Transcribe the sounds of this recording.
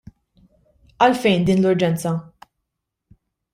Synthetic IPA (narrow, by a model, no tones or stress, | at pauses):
ɐlfɛjnd̪iːnlʊɾd͡ʒɛnt͡sɐ